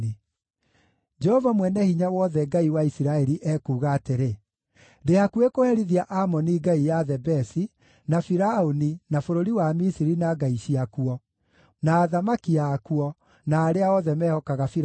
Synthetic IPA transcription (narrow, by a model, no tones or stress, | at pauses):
i | d͡ʒɛhɔvamwɛnɛhiɲawɔðɛɡaiwaisiɾaɛɾiʔɛkuːɣaːteɾe | deakuekohɛɾiðiaʔamɔniɡaijaðɛbɛsi | nafiɾaoninafoɾoɾiwamisiɾinaɡaiɕiakuɔ | naːðamakiaːkuɔ | naːɾeaɔðɛmɛhɔkaɣafi